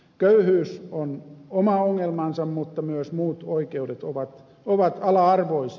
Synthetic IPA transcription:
køyhyːsonomɑoŋːelmɑnsɑmmut̪ːɑmyøsmuːt̪oikeudet̪oʋɑt̪ | oʋɑt̪ɑlɑɑrʋois

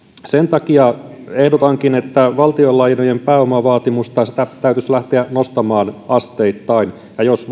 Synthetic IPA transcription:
sent̪ɑkiɑ | ehdot̪ɑŋkinet̪ːæʋɑlt̪iolːɑjnojempæːomɑʋɑːt̪imust̪ɑsit̪æt̪æyt̪yslæht̪eænost̪ɑmɑːnɑst̪eit̪ːɑin | jɑjos

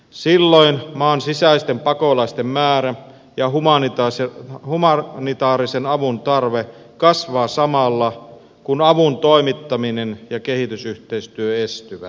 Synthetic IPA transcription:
silːoinmɑːnsisæist̪empɑkolɑist̪emmæːɾæ | jɑhumɑnit̪ɑsehumɑnit̪ɑːɾisenɑʋunt̪ɑrʋe | kɑsʋɑːsɑmɑlːɑ | kunɑʋunt̪oimit̪ːɑminenjɑkehit̪ysyht̪eist̪yøest̪yʋæ̰

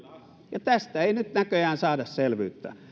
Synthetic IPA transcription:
jɑt̪æst̪æeˑinyt̪nækøjæːnsɑːdɑsselʋy̰ːt̪ːæ̰

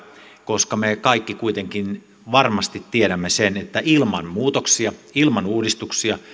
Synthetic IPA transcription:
koskɑmekɑikːikuit̪eŋkin | ʋɑrmɑst̪it̪tːiedæmːesenet̪ːæilmɑnmuːt̪oksiɑilmɑnuːdist̪uksiɑ

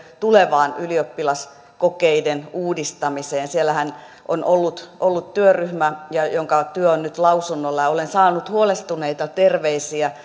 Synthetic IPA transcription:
t̪uleʋɑːnyliopːilɑs | kokeidenuːdist̪ɑmiseːnsielːæhæn | ʔo̰nʔolːut̪ʔolːut̪t̪yøryhmæjɑjoŋkɑt̪yøonnyt̪lɑusunːolːɑjɑolensɑːnut̪huolest̪uneit̪ɑt̪erʋeisiæ

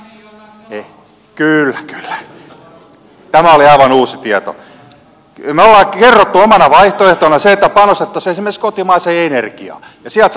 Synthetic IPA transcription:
e | kylːækylːæ̥ | t̪æmæoliɑiʋɑnuːsit̪iɛt̪o̰ | meolːɑːkkerːot̪ːuomɑnɑʋɑiht̪oeht̪onɑseet̪ːæpɑnost̪et̪ːɑseesimːenskot̪imɑiseenerkiɑ̰ | jɑsiælt̪s

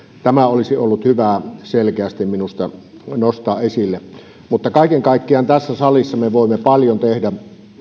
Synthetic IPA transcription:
t̪æmæolisiolːut̪hyʋæˑselkeæst̪imminust̪ɑ | nost̪ɑːʔʔesilːe | mut̪ːɑkɑˑikeŋkɑˑikːiɑnt̪æsːæsɑlisːɑmeʋoˑimːepɑljont̪ehdæ

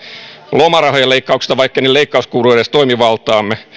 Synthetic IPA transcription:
lomɑrɑhojɑleikːɑuksi̥st̪ɑʋɑikːenileikːɑuskuːrueɾest̪oimiʋɑlt̪ɑːmːe

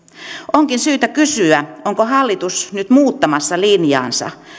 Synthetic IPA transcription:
ʔoŋkinsyːt̪ækysyæoŋkohɑlːit̪usnyt̪muːt̪ːɑmɑsːɑlinjɑ̰ːnsɑ̰

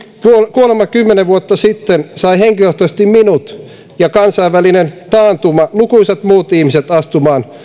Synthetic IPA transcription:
kukuolemːɑkymːeneʋuot̪ːɑsit̪ːensɑiheŋkiloht̪osest̪imminut̪ | jɑkɑnsɑiʋʋælinent̪ɑːnt̪umɑlukuiset̪muːt̪ihmiset̪ɑst̪umɑːn

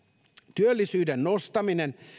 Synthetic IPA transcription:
t̪yølːisyːdenːost̪ɑminen

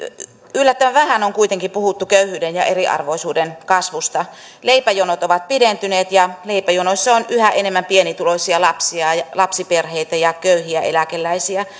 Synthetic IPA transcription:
ylːæt̪ːøʋæʋæhænoŋkuit̪eŋkipuhut̪ːukøyhyːdenjɑ̰ʔeriʔɑ̰rʋoisuːdenkɑsʋust̪ɑ | leipæjonot̪oʋɑt̪̚pident̪yneːt̪jɑleipæjonoisʲːɑonyhæʔenemːæmpienit̪uloisʲiɑlɑpsiɑjɑlɑpsiperheit̪æjɑkøyhiæelækelːæisiæ

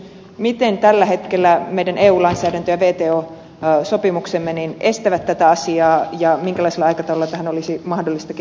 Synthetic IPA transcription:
mit̪ent̪ælːæɦe̞t̪kelːæmeidæneːuːlɑinsæːɾænt̪øjæʋeːt̪eːoː | so̞pimuksemːenine̞st̪æʋæt̪ːæt̪æɑsiɑːjɑmiŋkælɑiselːɑɑjkɑt̪ɑolːɑt̪æhænolisimɑhdolːist̪ɑk

